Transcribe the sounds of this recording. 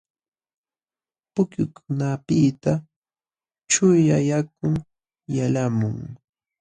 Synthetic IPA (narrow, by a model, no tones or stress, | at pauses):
pʊkjʊkʊnapɪt̪a | t͡ʃʊjajak̚ʊŋ | jalamʊŋ